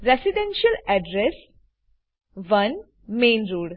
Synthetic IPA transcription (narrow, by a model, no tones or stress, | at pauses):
ɾesiɖɛ̃nʃəlɛɖɾes | ʋɐ̃n | mẽːnɾuːɖ